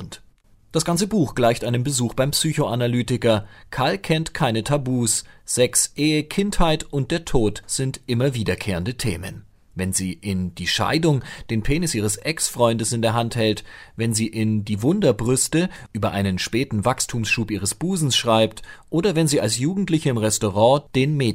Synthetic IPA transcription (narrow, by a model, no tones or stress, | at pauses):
ʊnt | d̥asɡ̥ant͡səbuːxɡ̥laɪçtʔaɪnənbəzuːxb̥aɪmpsyːçoʔanalyːtɪkɐkʰalkʰɛntkʰaɪnətʰabuːsz̥ɛksʔeːəkʰɪnthaɪtʊnt̚d̥eːɐtʰoːtz̥ɪntʔɪmɐviːdɐkʰeːʁəndətʰḛːmə̰n | vɛnziːʔɪnd̥iːʃa̰ɪdʊŋd̥eːnpʰeːnɪsʔiːʁ̞əsʔɛksfʁ̥ɔʏndəsɪndeːɐɦanthɛltvɛnziːʔɪndiːvʊndɐbʁʏstəʔyːbɐʔaɪnənʃpɛːtn̩vakstʰuːmsʃuːpʔiːʁəsb̥uːzn̩sʃʁ̥aɪp̚tʔoːdɐvɛnziːa̰lsjuːɡŋ̩tlɪçəɪmʁɛstoʁɑ̃ːd̥eːnmeː